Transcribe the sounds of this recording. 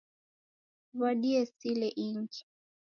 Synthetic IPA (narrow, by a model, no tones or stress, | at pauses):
βaɗiɛsilɛʔiŋɡi̥